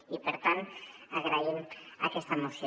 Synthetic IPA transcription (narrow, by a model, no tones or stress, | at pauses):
ipeɾt̪ant̪ | aɣɾaima̰kest̪amosjo